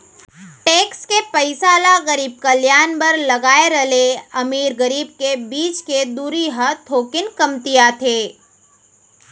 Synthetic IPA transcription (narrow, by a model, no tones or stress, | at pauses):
ʈeːkskepəɪsaːlaɣəɾiːb̚kɐljaːnbɐɾlɐɡaːeɾəleɐmiːɾɡəɾiːb̚kebiːt͡ʃked̪uːɾiɦət̪ʰoːkɪnkɐmt̪ijat̪ʰeː